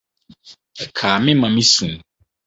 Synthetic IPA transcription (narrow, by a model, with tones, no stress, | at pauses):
ɛ˨kʰaː˨mɪ̃˦mã˨mĩ˦sũ˨n˨